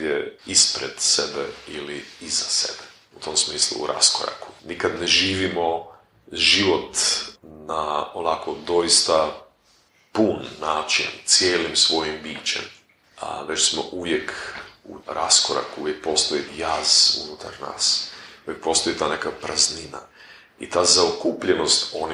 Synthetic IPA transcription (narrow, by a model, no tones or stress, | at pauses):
jeispɾed̪̥sebḛiliizasḛbe | ut̪o̞msmiːslˠṵuɾʔa̰skoɾa̰ku̥nikad̪neʒiːʋimo̞ | ʒiʋo̞t̪naonako̞d̪o̞ist̪a | puːnːaːt͡ʃiḛnt̪sjeːlimsʋo̞jimbiːt͡ʃḛm | a̰ʋet͡ʃsmo̰ʔuʋje̞kuɾa̰skoɾa̰kuʋjek̚po̞ːst̪ojijaːzṵnut̪ʰaɾna̰ːsuʋjek̚po̞ːst̪oit̪aːnekapɾʔaznina̰ | ḭt̪aːzaokuːpʎeno̞st̪o̞ni